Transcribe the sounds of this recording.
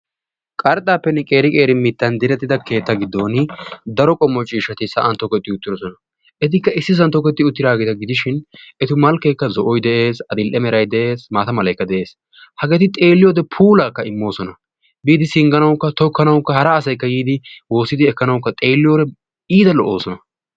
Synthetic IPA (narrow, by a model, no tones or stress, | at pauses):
kʼɐɾt̪ʼaːpːɛnːɛkʼe̞ːɾɪkʼe̞ːɾɪmɪt̪ːɐnd̪ɪɾɛt̪ːɪd̪ɐkʰe̞ːt̪ːɐɡɪd̪ːoːnɪd̪ɐɾɔkʼɔmːɔt͡ʃʼiːʃɐt̪ɪsɐʔɐnt̪ɔkːɛt̪ːɪʊt̪ːɪɾɔsɔnɐ | ʔɛt̪̬ɪkːɐɪsːɪs̬ɐnt̪ːɔkːɛt̪ːɪʊt̪ːɪɾaːɡet̪ɐɡɪd̪ɪʃɪnɛt̪ɪmɐlkːɐjkːɐzɔʔɔjd̪ɛʔe̞ːsɐd̪ɪlʔɛmɛɾɐjd̪ɛʔe̞ːsmaːt̪ɐmɐlɐjkːɐd̪ɛʔe̞ːs | hɐɡɛt̪ɪt̪ʼe̞ːlːɪjoːd̪ɛpʰuːlakːɐɪmːo̞ːsɔnɐ | biːd̪ɪsɪŋɡɐnɐwkːɐt̪ɔkːɐnɐwkːɐhɐɾɐːsɐjkːɐjiːd̪ɪwo̞ːsːɪd̪ɪɛkːɐnɐwkːɐt̪ʼeːlːɪjoːɾɛ | iːd̪ɐlɔʔo̞ːsɔnɐ